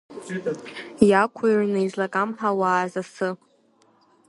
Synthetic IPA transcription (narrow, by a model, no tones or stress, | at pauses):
jakʷʰairnejzlakʼamħawaːzasɨ